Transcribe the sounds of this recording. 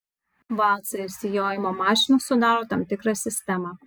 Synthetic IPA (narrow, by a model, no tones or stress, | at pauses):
ʋɑlˠt̪sɐsʲɪjoːjɪmɔmɑːʃʲɪnusʊd̪ɑɾot̪ɐmt̪ʲɪkɾɐsʲɪsʲt̪ʲɛmɐ